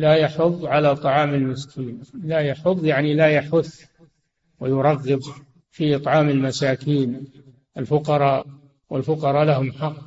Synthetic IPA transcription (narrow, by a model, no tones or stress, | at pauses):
lajaħʊðˤːʕalat̪ˤɑʕɑːmɪlmɪskʰiːnlajaħʊðˤjaʕnilajaħʊθː | wɪjʊɾˤɑɣːɪb | fiʔɨt̪ˤʕɑːmɪlmasaːkiːn | ʔalfʊqɑɾˤɑː | wʔɪlfʊqɑɾˤɑːlaɦʊmħɑqː